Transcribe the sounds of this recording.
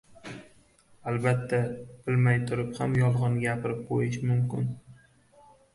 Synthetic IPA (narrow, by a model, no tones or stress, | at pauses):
albat̪ʰːab̥ɪlmajt̪ʰʊɾɪphamjɒlˠʁɑnɡʲapʰɪɾɪp̚qʰojɪʃmʊmkʲɪ̰n